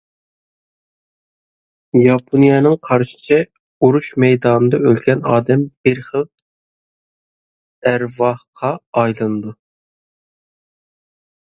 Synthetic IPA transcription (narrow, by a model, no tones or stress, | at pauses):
jɑpʰonijɑnɨŋqʰɑɾʃɪ̥t͡ʃʰɛ | uɾuʃmɛjd̪ɑːnɨd̪ɑølɡʲɛnɑːd̪ɛmb̥ɪɾχəlˠ | æɾvɑhqʰɑːjlˠɨnɨd̪u